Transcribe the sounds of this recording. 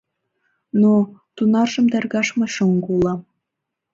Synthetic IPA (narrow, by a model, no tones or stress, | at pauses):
not̪unɑrʒɤ̆md̪ærɣɑʃmɑɕoŋɡulˠɑm